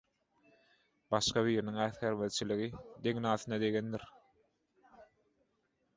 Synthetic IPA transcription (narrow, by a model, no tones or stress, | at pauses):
bɑʃqɑβiːɾiniŋæːθxeɾmeðt͡ʃʰiliɣid̪e̞ŋnɑːθɯnɑd̪e̞ɡend̪iɾ